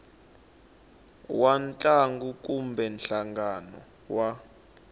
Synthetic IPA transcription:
want͡ɬʼaŋɡuk̬ʼumbɛnɬaŋɡanɔ̰ | wa

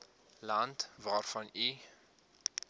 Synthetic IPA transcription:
lɐntvɑːrfɐni

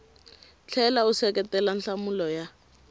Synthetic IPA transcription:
t͡ɬʰɛlausɛkʼɛtɛlanɬamʊlɔja

